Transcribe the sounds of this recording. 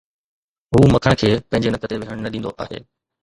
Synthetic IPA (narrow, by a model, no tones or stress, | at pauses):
ɦuːmɐkʰəɽ̃kʰeːpɐ̃ɪ̃ɲd͡ʑenɐkət̪eʋɪɦəɽ̃nɐɗĩːnd̪o̰ʔa̰ːɦḛː